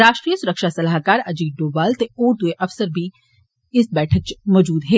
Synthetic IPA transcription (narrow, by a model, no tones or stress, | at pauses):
ɾaːʃʈɾiːəsʊɾəkʃasɐlaːɦkaːɾɐd͡ʒiːɖoːbaːlt̪eoːɾd̪ueʔɐʋsəɾbʱi | ɪsbɛːʈʰək̚t͡ʃmɔːd͡ʒuːd̪ɦɛː